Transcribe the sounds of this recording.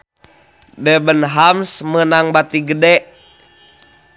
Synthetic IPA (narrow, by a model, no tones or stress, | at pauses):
dɛbənɦamsmənaŋbat̪iɡədɛ